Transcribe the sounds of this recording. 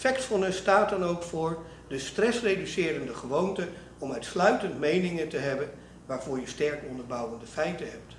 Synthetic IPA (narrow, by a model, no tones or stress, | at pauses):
fɛktfɑnəstaːtdɑnowkfʊːɹ | dəstrɛsrejdysɪːɾəndəχəʋowntə | ɔmœɥtslœɥtəntmejnɪŋəntəɦɛbən | ʋaːɹv̥ʊːɹjəstɛɹkɔndəɹbʌwəndəfɛjtənɦɛp̚t